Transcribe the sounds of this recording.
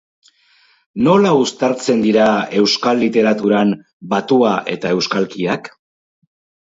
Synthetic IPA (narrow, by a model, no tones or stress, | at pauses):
no̞laust̪aɾt͡se̞nd̪iɾae̞wskalːit̪e̞ɾat̪uɾam | bat̪uaʔe̞̰t̪ae̞wskalkiak